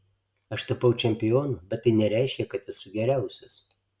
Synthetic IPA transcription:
ɐʃt̪ɐpɐʊt͡ʃʲɛmʲpʲɪjoːnubʲɛt̪t̪ːɐɪnʲɛɾʲæˑɪʃʲkʲɛkɐt̪ɪsuɡʲɛɾʲæˑʊsʲɛs

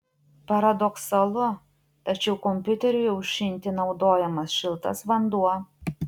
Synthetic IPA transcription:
pɐɾɐd̪ɔksɐlˠʊ | t̪ɐt͡ʃʲɛʊkɔmʲpʲʊt̪ʲɛɾʲʊjɛʊʃʲɪnʲˑt̪ʲɪnɒʊd̪oːjɛmɐsʃʲɪlˠt̪ɐ̰sʋɐnd̪uɔ

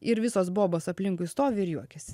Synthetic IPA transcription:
ɪɾʋʲɪsoːsboːboːsɐpʲlʲɪŋkʊɪst̪oːʋʲɪɪɾjuɔkʲɛsʲɪ

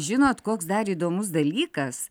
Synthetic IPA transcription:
ʒʲɪnoːt̪koːksd̪ɐɾiːd̪oːmʊs̬d̪ɐlʲiːkɐs

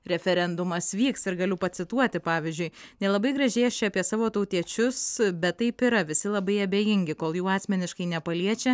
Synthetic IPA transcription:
ɾʲɛfʲɛɾʲɛnd̪ʊmɐsʋʲiːksɪɾɡɐlʲʊpɐt̪sʲɪt̪uɔt̪ʲɪpɑːʋʲɪzʲd͡ʒʲʊɪnʲɛlˠɐbɐɪɡɾɐʒʲɛɪɛʃʲt͡ʃʲɛɐpʲiɛsɑːʋoːt̪ɐʊt̪ʲiɛt͡ʃʲʊsbʲɛt̪tːɐɪpɪɾɐʋʲɪsʲɪlˠɐbɐɪɐbʲeːjɪŋʲɡʲɪkoːlˠjuːɑːsʲmʲɛnʲɪʃkɐɪnʲɛpɐlʲiɛt͡ʃʲɛ

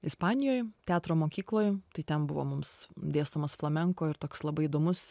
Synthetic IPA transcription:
ɪspɑːnʲɪjoːjt̪ʲæːt̪ɾoːmoːkʲiːklˠoːjt̪ɐɪt̪ʲɛnbʊʋo̰mʊmsd̪ʲeːst̪omɐsflˠɐmʲɛŋkoːɪɾt̪oːkslˠɐbɐɪid̪oːmʊs

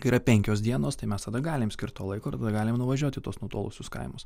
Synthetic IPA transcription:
kɐɪiːɾɐpʲɛŋʲkʲoːsd̪ʲiɛnoːst̪ɐɪmʲɛst̪ɐd̪ɐɡɑːlʲɪmsʲkʲɪɾt̪t̪oːlˠɐɪkoːɪɾt̪ɐd̪ɐɡɑːlʲɪmnʊʋɐʒʲuɔt̪ʲɪt̪oɔsnut̪oːlˠʊ̰sʲʊskɐ̰ɪmʊs

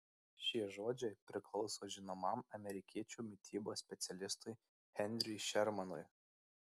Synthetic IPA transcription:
ʃʲiɛʒoːd͡ʒʲɛɪpʲɾʲɪklˠɒʊsoːʒʲɪnomɐˑmɐmʲɛɾʲɪkʲiɛt͡ʃʲuːmʲɪt̪ʲiːboːsʲpʲɛt̪sʲɛlʲɪst̪ʊɪ | ɣʲɛnʲd̪ʲɾʲɪʃʲɛɾmɐnʊj

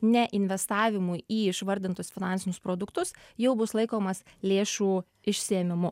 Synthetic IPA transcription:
nʲɛʔɪnʲʋʲɛst̪ɑːʋʲɪmʊjiːɪʃʋɐɾʲd̪ʲɪnt̪ʊsfʲɪnɑnʲsʲɪnʲʊspɾoːd̪ʊkt̪ʊsjɛʊbʊslˠɐɪkoːmɐslʲeːʃuː | ɪʃʲsʲɪɛmʲɪmʊ

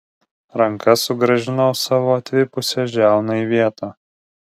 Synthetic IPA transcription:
ɾɐŋkɐsʊɡɾɐʒʲɪnɐʊsɑːʋoːɐt̪ʲʋʲɪpʊsʲɛʒʲæˑʊnɐiʋʲiɛt̪ʰɑː

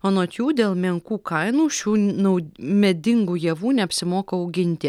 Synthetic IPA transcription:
oːnoːt̪ʲjuːd̪ʲeːlˠmʲɛŋkuːkɐɪnuːʃʲuːnɐʊmʲɛd̪ʲɪŋɡuːjiɛʋuːnʲɛɐpʲsʲɪmoːkɐɐʊɡʲɪnʲt̪ʲɪ

